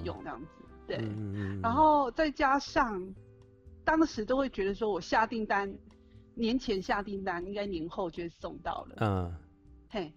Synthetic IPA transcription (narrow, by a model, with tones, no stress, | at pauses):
jʊ̰˨˩˦ŋn˥˧jɑ̰˥˩ŋd͡zɹ̩˩t̪we˥˩ɪɻa˧˥nxo˥˩ʊt͡sa˥˩ɪt͡ɕja˥ʂɑ˥˩ŋ | t̪ɑ˥ŋʂɻ̩˧˥t̪o˥ʊxwe˥˩ɪt͡ɕɥɛ˧˥d̪ə˧ʂ̬wɔ˥wɔ˨˩ɕja˥˧t̪i˥˩ŋt̪a˥n | njɛ˧˥nt͡ɕʰjɛ˧˥nɕja˥˧t̪i˥˩ŋt̪a˥ni˥ŋka˥ɪni˧˥nxo˥˧ʊt͡ɕjo˥˧ʊ˥˩sʊ˥˧ŋt̪ɑ̰˥˩ʊlə̰˩ | e˥˩ɪ